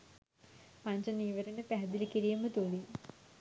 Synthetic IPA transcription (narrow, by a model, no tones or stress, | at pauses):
paɲt͡ʃəniːʋəɾenəpæɦɛd̪ilikiɾijəmət̪uli